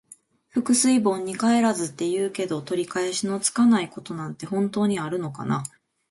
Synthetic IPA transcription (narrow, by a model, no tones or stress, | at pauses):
ɸɯ̟kɯ̟sɨibõ̞ɲ̟ːikae̞ɾazɨt̪ːe̞jɯːke̞d̪o̞t̪o̞ɾʲikaeɕino̞t͡sɨ̥kanaiko̞t̪o̞nãnt̪e̞hõ̞nt̪o̞ːɲ̟iaɾɯ̟no̞ka̰na